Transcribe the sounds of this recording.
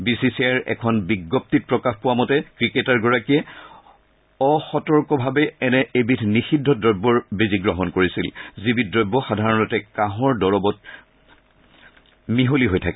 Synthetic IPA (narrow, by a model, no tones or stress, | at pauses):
bisisiaɹɛ̰kʰɔnbiɡːɔp̚tit̚pɹɔkaxpʊwamɔtɛkɹiketaɹɡɔɹakiɛ | ɔxɔtɔɹkɔbʱabɛːnɛebitʰnixidʱːɔdɔjbːɔɹbeziɡɹɔɦɔnkoɹisilzibit̚dɹɔjbːɔxadʱaɹɔnɔtɛkãɦɔɹdɔɹɔbɔt̚ | miɦoliɦojtʰakɛ